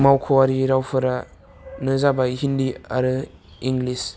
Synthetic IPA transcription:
mawkʰɔaɾiɾawpʰɯɾa | nɯzabajɦindia̰ɾɯ | iŋɡlis

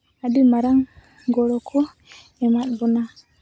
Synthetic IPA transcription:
adimaɾaŋ | ɡɔɾɔkʰɔ | ɛmaɗbɔna

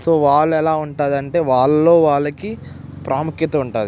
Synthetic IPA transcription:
so̞ːʋaːɭːuɛlaːuɳʈaːd̪ɐɳʈe̞ːʋaːɭːo̞ːʋaːɭːɐki | pɾʔaːmukjɐt̪ɐuɳʈaːd̪i

